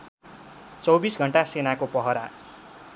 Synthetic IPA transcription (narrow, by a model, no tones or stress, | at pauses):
t͡sʌwbisɡʱʌɳʈasenakopʌɦʌɾa̰